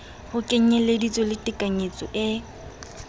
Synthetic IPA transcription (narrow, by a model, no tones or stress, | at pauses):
hʊkʼɪɲ̩ɛledit͡sʼɔlɪtʼɪkʼaɲet͡sʼɔʔɪ